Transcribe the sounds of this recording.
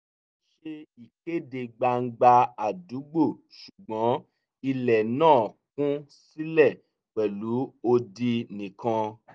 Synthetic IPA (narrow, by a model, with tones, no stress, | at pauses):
ʃe˧i˨ke˦˨de˨˧ɡ͡ba˧ŋ̩˦ɡ͡ba˧a˨du˨˦ɡ͡bo˦˨ | ʃu˨ɡ͡bɔ̃˨˦ | i˧lɛ˨nãː˦˨kũ˦si˦lɛ˦˨ | k͡pɛ˨lu˨˦o˧di˧nĩ˨kã˧